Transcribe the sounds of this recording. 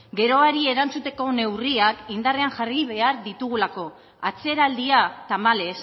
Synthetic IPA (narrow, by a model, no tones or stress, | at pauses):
ɡe̞ɾo̞aɾie̞ɾant͡sut̪e̞ko̞ne̞wriakind̪are̞aŋʝariβ̞e̞aɾðit̪uɣ̞ulako̞ | at͡se̞ɾald̪iat̪amale̞s